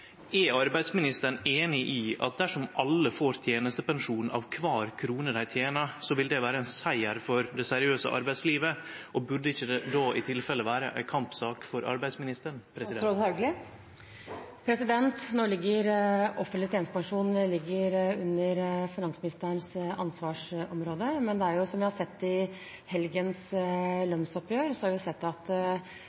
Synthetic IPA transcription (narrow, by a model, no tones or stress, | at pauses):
ɛɑɾbæɪd̪smɪnɪst̪əɳeːnɪʔiːɑ̰t̪̚d̪æʂɔmʔɑlːəfoːɾt̪ʰjeːnəst̪əpɑŋʂuːnɑ̰ʋkʰʋɑːɾkʰɾuːnəd̪æɪt̪ʰjeːnɑsɔʋɪld̪ɛʋæːɾəɛnsæɪəɾfɔɾd̪ɛsæɾɪøːsə̰ʔɑ̰ɾbæɪsliːʋəʔɔbʉɖəɪçːəd̪ɛd̪ɑːʔɪt̪ʰɪlfɛlːəʋæːɾəʔæ̰ɪkʰɑmpsɑːkfɔɾʔɑ̰ɾbæɪsmɪnɪst̪əɳpʰɾɛsɪhɑɡlɪ | pʰɾɛsɪd̪ɛnt̪nɔɭɪɡːəɾʔɔfənɪt̪ʰeːnspɑŋʂuːnlɪɡːəɾʉnːəɾfɪnɑŋsəmɪnɪst̪əəɳsɑnsʋɑːʂɔmɾoːd̪əmɛnd̪ɛæɾjʊsɔmʋɪhɑɾʂɛt̪ːɪ | hɛlɡənslœnsɔpjøːɾsɔhɑɾʋɪsɛt̪ːɑt̪